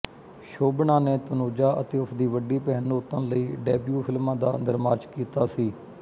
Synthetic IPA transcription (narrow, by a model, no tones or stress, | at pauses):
ʃoːbɳãːneːt̪ənoːd͡ʒaːʔət̪eːʊpʰd̪iːʋəɖiːpɛɦənoːt̪ːə̃nləiːɖeːbjuːpʰɪlmãːd̪a̰ːnəɾmaːt͡ʃkiːt̪aːsiː